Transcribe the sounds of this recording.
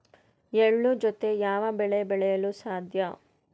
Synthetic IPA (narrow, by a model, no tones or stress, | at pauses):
eɭːud͡ʒot̪e̞jaːʋɐbɛɭebɛɭɛjɐlusaːd̪ʱjɐ